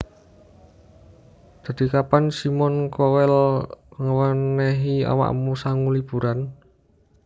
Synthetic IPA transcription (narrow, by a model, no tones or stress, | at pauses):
d̪̥a̤d̪̥i̤kapansimɔnkɔwɛlŋəwəneɦia̰wa̰ʔmusaŋulib̥ṳɾan